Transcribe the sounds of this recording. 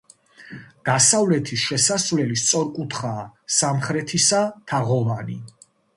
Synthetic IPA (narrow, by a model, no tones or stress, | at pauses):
ɡ̥asavlɛt̪ʰisʃɛsasvlɛlist̪sʼɔɾkʼut̪ʰχaːsamχɾɛt̪ʰisat̪ʰaʁɔvani